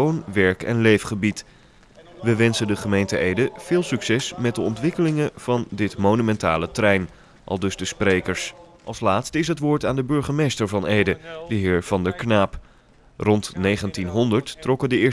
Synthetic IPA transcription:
ownʋɛɹkɛ̰nlejfχəbit | ʋəʋɛnsəndəχəmejntəejdəv̥ɪːlˠsyksɛsmɛt̚dəɔntʋɪkəlɪŋəv̥ɑndɪtmonymɛnta̰ːlətrɛjn | ʔɑ̰lˠdɵzdəsprejkəɹsʔɑlˠslaːtstəɪs̬ɦətʋʊːɹtaːndəbɵɹχəmejstəɹvɑnejdədəɦɪːɹv̥ɑndəɹknaːp | rɔntnejχəntinɦɔndəɹtːrɔkədəɪːɹ

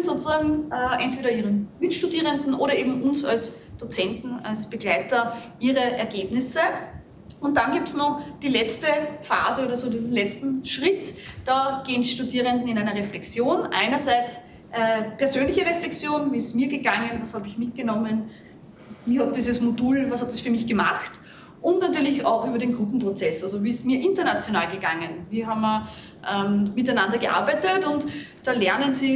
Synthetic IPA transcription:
nzoːt͡suzaːɡŋ̩ʔɛʔɛntv̥eːɾɐiːʁənmɪtʃtudiːʁəndn̩ʔoːɾɐeːbm̩ʊnsa̰ls | d̥ot͡sɛntn̩a̰lsb̥əɡ̥læɪtɐʔiːʁəʔɛɐɡeːbnɪsə | ʊnt̚d̥anɡiːp̚tsnɔχd̥iːlɛt͡stəfa̰ːzəoːɾɐzoːdizn̩lɛt͡stn̩ʃʁɪtd̥aːɡ̥eːəndiʃtudiːʁəndn̩ɪnæɪnɐʁɛflɛkt͡sjoːnʔæ̰ɪnɐzæɪt͡s | ʔɛːpʰɛɐzøːnlɪçəʁeflɛksjoːnviːɪstmiːɐɡəɡaŋənvashaːbɪçmɪt̚ɡ̥ənɔmən | vihat̚d̥iːzəsmoduːlvashat̚d̥asfyːɐmɪçɡ̥əmaχt | ʔʊntnatyːɐlɪça̰ʊxʔyːbɐɾeːnɡʁʊpm̩pʁot͡sɛsalzoviːɪsmiːɐʔɪntɐnat͡sjonaːlɡəɡaŋənviːɦaːbmɐ | ʔɛːmmɪtæɪnandɐɡəʔa̰ɐbæɪtətʊntd̥aːlɛɐnənziː

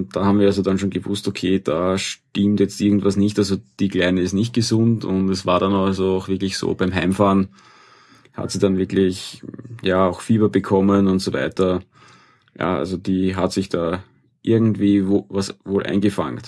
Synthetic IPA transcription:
nt̚d̥aːhaːbm̩viːɐalzodanʃoːnɡəvʊstokʰeːd̥aːʃtɪmtjɛt͡stʔɪɐɡŋ̩tvasnɪçtalzod̥iːklæɪnəɪstnɪçt̚ɡ̥əzʊntʰʊntɛsvaːɐɾanzoaʊxv̥ɪɐklɪçso̰ːb̥æɪmɦaɪmfaːn | ha̰tsidanvɪɐklɪçjaːaʊxfiːbɐbəkʰɔmənʊntsovæ̰ɪtɐ | ja̰ːʔa̰lzod̥iːɦatsɪçd̥aː | ʔɪɐɡŋ̩tviːvvasvoːlʔa̰ɪnɡəfa̰ŋt

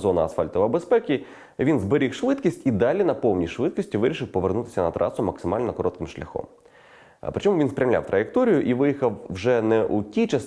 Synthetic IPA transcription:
zɔnɐɐsfɑlʲt̪ɔʋɐbespɛkʲi | ʋʲinzbeɾʲixʃʋɪd̪kʲisʲtʲid̪ɑlʲinɐpɔwnʲijʃʋɪd̪̚kisʲtʲiʋɪɾʲiʃɪwpɔʋernut̪ɪ̥sʲɐnɐt̪ɾʔɑ̰sʊmɐksɪmɑlʲnɔkɔɾɔt̪kɪmʃlʲɐ̰xɔ̰m | pɾɪt͡ʃɔmʊʋinspɾʲɐwlʲa̰wt̪ɾʔɐjek̚t̪ɔɾʲijʊʔiʋɪjixɐwːʒɛnɛʔutʲit͡ʃɐs

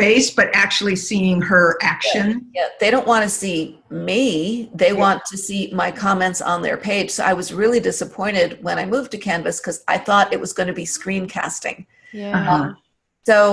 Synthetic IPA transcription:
eɪsb̥ʌɾʔæk̚t͡ʃul̩ˠisiɪ̃ŋə˞ʔækʃɨ̃njæðeɪɾõʊ̃nʔwɑ̃ñɨsi | miðeɪwɑ̃ntʰɨsimaɪkʰɑmɛ̃ntsn̩ðə̰˞pʰeɪd̥ʒ̥soʊʔa̰ɪwʌzɹɪlˠidɪsəpʰɔ̃ɪ̃ɾ̃ɪd̚wə̃ñaɪmuv̚tɨkʰæ̃nvɨskʰʌzaɪθɔɾɨʔ̚wʌzɡõnɨbiskɹĩnkʰæ̰stɪ̰̃ŋ | ɦʌ | soʊ

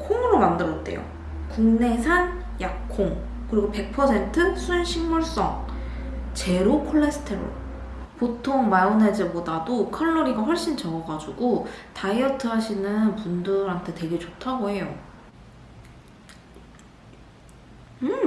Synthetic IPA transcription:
kʰoŋɯɾomandɯɾʌt̚t͈e̞̰jo̰ | kuŋne̞sʰan | jak̚kʰoŋ | kɯɾiɡope̞k̚pʰʌsʰe̞ntʰɯsʰuenɕʰiŋmuɭs͈ʌŋ | t͡ɕe̞ɾokʰoɭːe̞sʰɯ̥tʰeɾo̰ɭ | potʰoŋmaoned͡ʑebodadokʰʌɭːoɾiɡaɸwʌɭɕ͈int͡ɕʌŋʌɡad͡ʑuɡotaiʌtʰɯɦaɕʰinɯnpundɯɾɦantʰe̞twe̞ɡe̞t͡ɕotʰaɡoɦe̞jo | ɯ

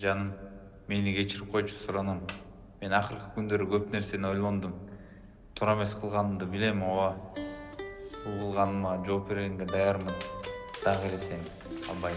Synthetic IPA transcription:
d͡ʒɑnɯm | me̞niɡe̞t͡ʃiɾip̚qʰo̞jt͡ʃʰu̥suɾɑnomː | e̞nɑqɯɾqɯkynd̪ø̞ɾyɡøpne̞ɾse̞nio̞jlˠo̞nd̪um | t̪ʰuɾɑme̞sqʰɯlˠʁɑnɯmd̪ɯbile̞mowɑ | bulˠqʰɯlˠʁɑnɯmɑd͡ʒo̞ːp̚be̞ɾɡe̞ŋɡe̞d̪ɑjɑɾmɯnd̪̥ɑʁelese̞n | ɑ̰lˠβɑj

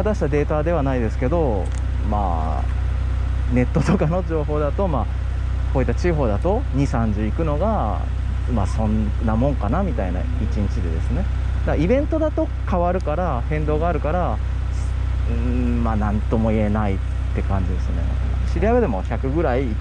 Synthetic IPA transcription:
at̪aɕi̥t̪ad̪e̞ːt̪ad̪e̞β̞anaid̪e̞sɨ̥ke̞d̪o̞ | ma̰ː | ne̞t̪ːo̞t̪o̞kano̞d͡ʑo̞ːɦo̞ːd̪at̪o̞maː | ko̞ːit̪ːat͡ɕiɦo̞ːd̪at̪o̞ | ɲ̟isãɲ̟d͡ʑɨikɯ̟no̞ɡa | maːsõ̞nː | amõ̞ŋkanamʲit̪aina̰ | it͡ɕĩɲ̟t͡ɕid̪e̞̰d̪e̞sɨne̞ | d̪aaibẽ̞nt̪o̞d̪at̪o̞ | kaβaɾɯ̟kaɾa | hẽ̞nd̪o̞ːɡaːɾɯ̟kaɾa | s | maːnãnt̪o̞mo̞ie̞nai | t̪ːe̞kãɲ̟d͡ʑid̪e̞sɨne̞̰ | ɕiɾʲijabe̞d̪e̞mo̞çakɯ̟ɡɯ̟ɾai

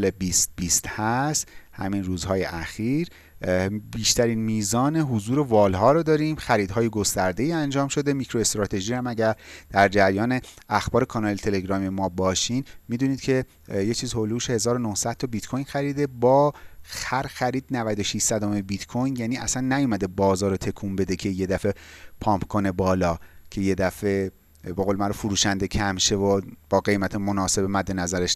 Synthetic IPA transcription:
lebist̪biːst̪hæst̪hæ̰minruːzhɒːjḛʔæxiːɾ | biːʃt̪ʰæɾiːnmiːzɒːne̞ɦuzuːɾe̞vɒːlɦɒːɾod̪ɒːɾiːmxæɾiːd̪hɒːjeɡo̞st̪æɾd̪e̞iːænd͡ʒɒːmʃo̞d̪e̞micʰɾo̞e̞st̪ɾɒːt̪ʰe̞ʒiːhæmæɟæɾd̪̥æɾd͡ʒæɾjɒːne̞æxb̥ɒːɾe̞kʰɒːnɒːlet̪ʰe̞le̞ɡɾɒːmiemɒːbɒːʃiːnmid̪uːniːd̪̥̚cʰe̞ | jet͡ʃʰiːzholuuʃehe̞zɒːɾo̞nohsæd̪̥̚t̪ʰɒbit̪kʰojnxæɾiːd̪e̞bɒːxæɾxæɾiːd̪̥nævæd̪o̞ʃiʃsæd̪omebit̪kʰojnjæniæsænːæjumæd̪e̞bɒːzɒːɾot̪ʰe̞kʰumbe̞d̪e̞cʰe̞je̞d̪æfe̞pʰɒːmpkʰo̞ne̞bɒːlɒːcʰe̞je̞d̪æfe̞ | beɣoːlemæɾofuɾuːʃænd̪e̞cʰæmʃe̞vob̥ɒːɡe̞jmæt̪ʰemonɒːse̞bemæd̪ːe̞næzæɾeʃ

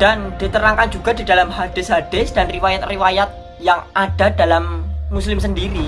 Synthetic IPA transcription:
d̥and̥it̪əɾaŋkand͡ʒuɡa̤didalamɦad̥ɪsɦad̥ɪsd̥anriwajat̪̚riwajat̪̚ | jaŋʔad̥adalamːuslɪmsəndiɾi

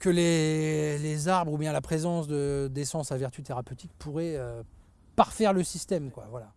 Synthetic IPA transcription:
kʲəle | lezaʁbʁubjɛ̃lapχezɑ̃sd̪əd̪esɑ̃savɛʁt̪yt̪eʁapøt̪ik̚pʰuʁɛø | paʁfɛʁləsist̪ɛmkwavwala

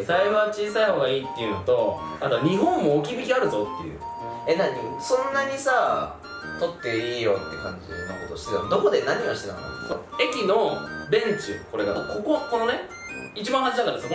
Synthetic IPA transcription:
saiβat͡ɕiːsaiho̞ːɡaiːt̪ːe̞jɯ̟no̞t̪o̞at̪oɲ̟iɦõ̞mːo̞ːk̬ʲibʲikʲiaɾɯ̟zo̞t̪ːe̞jɯ̟̰ | ed̪aɲisõ̞nːaɲ̟isa | t̪o̞t̪ːe̞iːjo̞t̪ːe̞kã̰ɲ̟d͡ʑḭno̰ko̞t̪o̞ɕi̥t̪ejomd̪o̞ko̞d̪e̞naɲ̟iβaɕi̥t̪enakna̰t̪ːoe̞kʲino̞bẽ̞ɲ̟t͡ɕiko̞ɾe̞ɡako̞ko̞ko̞no̞ne̞ | it͡ɕibãɰɦãɲd͡ʑid̪akaɾad̪sok

